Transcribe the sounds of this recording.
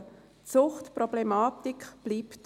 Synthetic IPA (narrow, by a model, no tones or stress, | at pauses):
t͡sʊχtprɔblɛmaːtikb̥liːpt